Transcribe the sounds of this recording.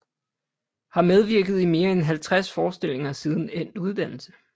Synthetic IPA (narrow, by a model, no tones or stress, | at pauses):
hɑ̈með̞ˠʋiɐɡ̥ð̞̩ˠime̝ːɐenɦælt͡sʰʁasfɒːsd̥e̝l̰e̝ŋɐsið̞ˠn̩en̰̥uð̞ˠd̥æn̰l̩sə